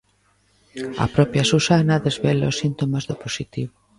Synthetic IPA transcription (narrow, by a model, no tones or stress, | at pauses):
ɐ̰pɾɔpjasusanaðezβelaosint̪omazðʊposit̪iβʊ